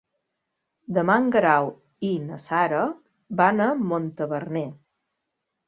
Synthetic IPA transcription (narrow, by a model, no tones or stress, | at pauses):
d̪əmaŋɡəɾaw | inəsaɾə | banəmont̪əβərne